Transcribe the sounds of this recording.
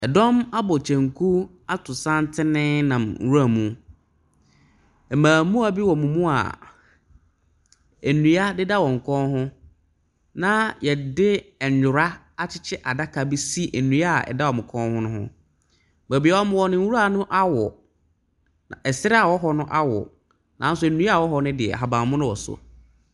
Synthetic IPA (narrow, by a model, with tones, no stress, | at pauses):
ɛ˨dɔ̃˦ma˦bɔ˨t͡ɕʰɛ̃˨ŋkʰu˦ | a˦tʰʊ˨sã˦n˦tʰɪ˦nɪ̃˦nã˨m̩˨˦wu˦a˨mũ˦ | ɛ˨mãː˨mũ˦a˨bi˦wɔ˨mũ˨mũ˦a̰˨ | ɛ˨nũ˨˦a˦dɪ˦da˦wɔ̃˨ŋ̩˨kʰɔ̃˦nɦʊ̃˦ | nã˦jɛ˨dɪ˦˨ɲ˨ʊ˨ɾa˦ | a˦t͡ɕʰɪ˦t͡ɕʰɪ˦ʔa˨da˦kʰa˨bi˦si˦˨ʔe˨nũ˨˦a˦˨ɛ̰˨da˦wɔ˨mʊ̃˨kʰɔ̃˦hʊ̃˦nʊ̃˦hʊ̰̃˦ | mɛ˨bi˨a˨wɔ˦mʊ̃˦˨wɔ˨nɪ̃˨˦wu˦ɾa˦˨nʊ̃˦ʔa˦wɔ˨ | nã˨ɛ˨sɪ˦ɾɪ˦a˨wɔ˦ɦɔ˦nʊ̃˦ʔa˦wɔ̰˨ | nã˨˦n˦sʊ˦˨nũ˦a˦˨wɔ˦ɦɔ˦nʊ̃˦dɪ˨ɛ̰˨ɦa˨bã˨mʊ̃˦nʊ̃˦wɔ˨sʊ̰˨